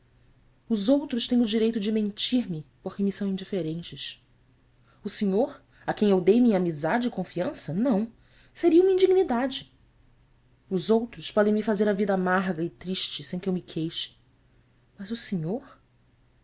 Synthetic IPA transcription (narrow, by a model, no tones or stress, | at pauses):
ʊzowt̪ɾʊʃt̪ẽj̃ʊd͡ʒiɾejt̪ʊd͡ʒɪmẽnt͡ʃiɾmɪpoχkɪmisɐ̃w̃ĩnd͡ʒifeɾẽnt͡ʃɪʃ | ʊseɲoɾ | akẽj̃ewd̪ejmĩɲɐamizad͡ʒɪːkõfiɐ̃sɐnɐ̃w̃ | seɾiɐũmɐĩnd͡ʒiɡnid̪ad͡ʒɪ | ʊzowt̪ɾʊspɔd̪ẽj̃mifazeɾɐvid̪ɐamaɾɡɐɪt̪ɾiʃt͡ʃɪsẽj̃kɪewmɪkʰejʃɪ̥ | mɐzʊseɲoɾ